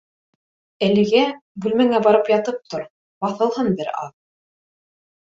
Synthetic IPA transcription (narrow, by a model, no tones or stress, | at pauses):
ælɘ̆ɡæbʉlmæŋæbɑɾɤpjɑt̪ɤp̚t̪oɾ | bɑθɤ̆lˠɦɤnbɘɾɑ̰ð